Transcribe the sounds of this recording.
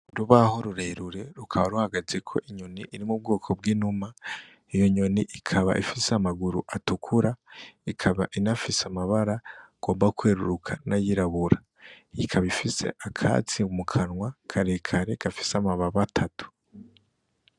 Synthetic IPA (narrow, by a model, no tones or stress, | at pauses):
uɾuβaho̞ɾuɾeɾuɾe̞ɾukʰaβaɾuhaɡazekʰo̞̰ʔiɲoniʔiɾimub̚ɡoːkʰo̞bɡiːnuma | ijo̞ɲoniʔikʰaβa̰ʔifiseamaɡuɾuʔatukʰuɾaikʰaβaʔinafiseamaβaɾaɡ̥o̞ːmbakweːɾuɾukʰanajiɾaβuɾa | jikʰaβifise̞̰ʔakʰa̰ːt͡siumukʰanŋwakʰaɾekʰaɾe̞kafi̥samaβaβatʰatu̥